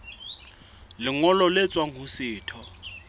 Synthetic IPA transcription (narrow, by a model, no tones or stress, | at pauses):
lɪŋɔlɔlet͡sʼwaŋ̩ɦʊsɪːtʰɔ